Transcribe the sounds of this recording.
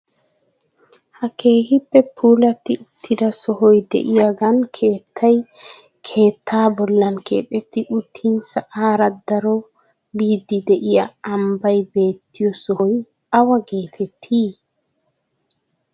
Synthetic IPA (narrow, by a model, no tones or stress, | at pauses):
hakeːhipːɛpʰulatːiʔut̪ʰːidasɔɦɔjdḛʔijaɡankʰɛtʰːaj | kʰɛːt̪ʰːabɔlːankɛ̰ɗet̪ːiʔutʰːinsaʔaːɾad̪aɾɔ | bid̪ideʔijaːmbajbeːt̪ːijɔsɔhoj | awaɡeːt̪ʰɛtʰi